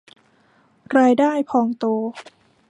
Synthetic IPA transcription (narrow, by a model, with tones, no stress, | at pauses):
ɾaː˧jdaː˥˩jpʰɔː˧ŋt̪oː˧